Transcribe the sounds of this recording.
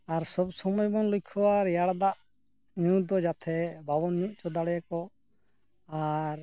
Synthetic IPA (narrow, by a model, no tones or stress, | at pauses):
aɾsɔbsɔmɔjɔmɔnlukʰɔwaɾjaɽd̪aʔ | ɲud̪ɔd͡ʒat̪ʰɛbabɔnɲuʔ̚t͡ʃɔd̪aɽɛjakɔ | aɾ